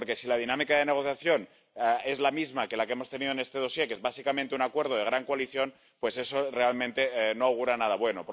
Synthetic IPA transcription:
oɾkesilað̞inãmikað̞e̞ne̞ɣ̞o̞θjaθjo̞n | e̞zlamizmake̞lakeemo̞st̪e̞nið̞oene̞st̪e̞ð̞o̞sje̞kezβasikamẽnt̪e̞unakwe̞ɾð̞oð̞eɣɾaŋkwaliθjo̞n | pwe̞se̞so̞re̞almẽnt̪enoawɣ̞uɾanað̞aβwe̞nopo

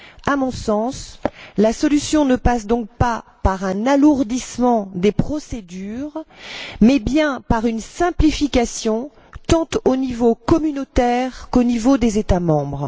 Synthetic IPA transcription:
amɔ̃sɑ̃slasɔlysjɔ̃nəpasd̪ɔ̃k̚papaʁɛ̃naluʁd̪ismɑ̃d̪epχɔsed̪yʁmɛbjɛ̃paʁynsɛ̃plifikasjɔ̃ | t̪ɑ̃t̪onivokɔmynot̪ɛʁkonivod̪ezet̪amɑ̃bʁ

